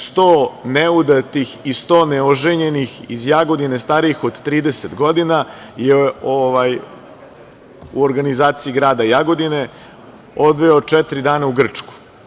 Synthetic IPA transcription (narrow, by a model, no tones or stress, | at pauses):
st̪oːneud̪at̪ixist̪o̞ːneoʒeɲe̞nixizjaɡo̞d̪inest̪aːɾiixo̞d̪t̪ɾiːd̪eset̪ɡo̞d̪inajeoʋaj | ṵoɾɡanizaːt̪siiɡɾaːd̪ajaɡo̞d̪ine | o̞d̪ʋeot͡ʂɛt̪ɾid̪aːnauɡr̩t͡ʂku̥